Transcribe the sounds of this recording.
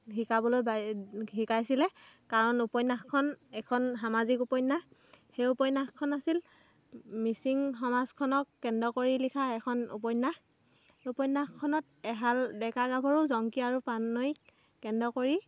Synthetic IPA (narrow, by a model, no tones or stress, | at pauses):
ɦikabɔlojbaɦikajsilɛ | kaɹɔnupɔjnaxkʰːɔnɛkʰɔnɦamazikupɔjnaxxejupɔjnaxkʰːɔnasil | misiŋxɔmazkʰɔnɔkːɛndɔkoɹilikʰaɛkʰɔnṵpɔjnax | upɔjnːaxkʰɔnɔt | ɛɦaldɛkaɡabʱɔɹuzɔŋkiaɹupanɔikː | ɛndɔkoɹi